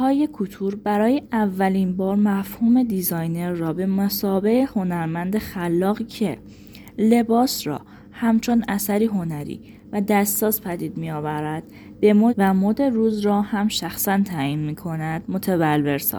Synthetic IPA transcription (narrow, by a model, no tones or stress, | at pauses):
hɒːjekʰut̪ʰuɾbæɾɒːje̞ʔævːælinbɒːɾmæfhuːme̞d̪izɒjne̞ɾːɒːbe̞mæsɒːbe̞eho̞næɾmænd̪e̞xælːɒːɣicʰe̞ | le̞bɒːsɾɒ̰ː | hæmt͡ʃʰonæsæɾiːɦo̞næɾḭː | væd̪æst̪sɒːzpʰæd̪iːd̪mijɒːvæɾæd̪̥ | be̞moːvæmod̪e̞ɾuːzɾɒːhæmʃæxsænt̪ʰæːiːnmiːkʰo̞næd̪̥mo̞t̪ʰevælve̞ɾsɒ̰